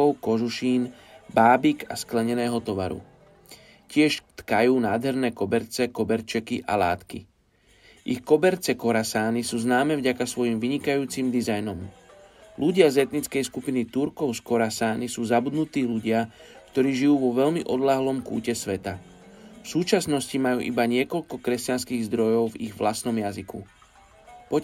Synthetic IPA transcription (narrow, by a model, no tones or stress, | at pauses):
ɔʊkɔʒuʃiːn | baːbika̰sklɛɲɛnɛːɦɔt̪ɔʋa̰ɾṵ | cɪɛʃt̪kajuːnaːd̪ɦɛɾnɛːkɔbɛɾt͡sɛkɔbɛɾt͡ʃɛkiʔa̰la̰ːt̪kḭ | ʔḭxkɔbɛɾt͡sɛkɔɾasaːnisuːznaːmɛːvɟakasʋɔjimʋiɲikajuːt͡simd̪izajnɔm | luɟɪazɛt̪nit͡skɛjskupinit̪uɾkɔʊskɔɾasaːnisuːzabud̪nut̪iːluɟɪa | kt̪ɔɾiːʒijuːʋɔʋɛʎmiʔɔd̪laɦlɔmkṵːcɛsʋɛt̪a | fsuːt͡ʃasnɔscimajuːʔibaɲɪɛkɔʎkɔkɾɛscanskiːɣzd̪ɾɔjɔʊviɣʋlast̪nɔmjazikṵ | pɔ